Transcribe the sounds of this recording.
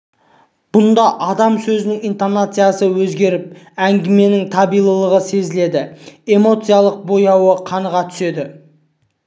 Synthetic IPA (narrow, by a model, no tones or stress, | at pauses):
b̥ʊnd̪ɑʔɑd̪ɑmsɵzɪnɪŋijnt̪onat̪sɨjasəwɵzɡʲe̞ɾɪp̚ | æŋɡʲɪme̞nɪŋt̪ʰɑbijlˠəlˠəʁəse̞zɪle̞d̪ɪe̞mo̞t̪sɨjalˠəq̚bo̞jɑwəqʰɑnəʁɑt̪ʰʏ̥se̞d̪ɪ